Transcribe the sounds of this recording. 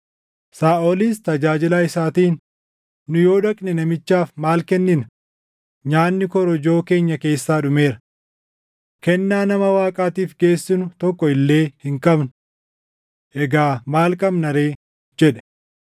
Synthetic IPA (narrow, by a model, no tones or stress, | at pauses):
saːʔoliːst̪ɐd͡ʒaːd͡ʒɪlaːɪsaːt̪iːnː | ʊjo̞ːᶑɐkʼnɪnɐmɪt͡ʃːaːfmaːlkɛnːɪnɐ | ɲaːnːɪkɔɾɔd͡ʒo̞ːke̞ːɲːɐke̞ːsːaːɗʊme̞ːɾɐ̥ | kɛnːaːnɐmɐwaːkʼaːt̪iːfɡe̞ːsːɪnʊt̪ɔkːɔɪlːe̞ːhɪŋkʼɐbnʊ | ʔɛɡaːmaːlkʼɐbnɐɾeː | d͡ʒɛᶑɛ̥